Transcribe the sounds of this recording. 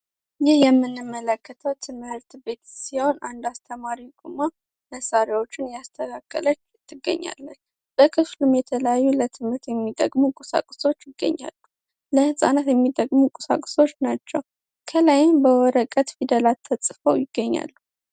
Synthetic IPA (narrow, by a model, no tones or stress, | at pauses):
jɪhjɛmːɨnːɨmːələkːət̪ʰəwt̪ʰɨmhɨɾt̪be̞t̪siho̞na̰nd̪ast̪ʰəmaɾiɡʼuma | məsaɾawo̞t͡ʃːɪnjast̪ʰəkʰakʰːələt͡ʃːɨt̪ʰːɨɡːə̰ɲːa̰lːən | b̥əkʰɨflumjɛt̪ʰələjajːulət̪ʰɨmɨɾt̪jɛmːid̪ʼəɡʼmukʼusa̰kʼso̞t͡ʃːjɪɡːə̰ɲːa̰lːu | ləhɨsʼa̰nat̪jɛmːid̪ʼəɡʼmukʼusa̰kʼso̞t͡ʃːnat͡ʃːɛw | kʰələjɪmbəwɔɾəkʼət̪fid̪əlat̪ʰːəsʼfəwjɪɡːəɲːa̰lːu